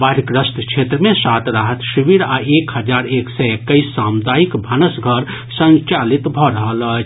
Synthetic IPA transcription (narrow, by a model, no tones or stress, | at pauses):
baɾɡɾəst̪kt͡ʃʰet̪ɾəmẽsat̪ɾaɦət̪ʃiʋiɾaekɦəd͡ʒaɾeksɛkːəjsamd̪aikbʱanəsɡʱəɾ | sə̃nt͡ʃalit̪bʱɔɾəɦələt͡ʃʰ